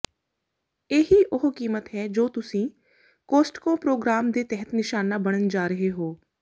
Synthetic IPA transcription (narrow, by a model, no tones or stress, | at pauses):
eːɦiːʔʊɦkiːmət̪ɦɛːd͡ʒoːt̪ʊsĩː | koːsʈkõːpɾoːɡɾaːmd̪eːt̪ɛɦət̪nɪʃaːnaːbəɽ̃ənd͡ʒaːɾəɦeːɦoː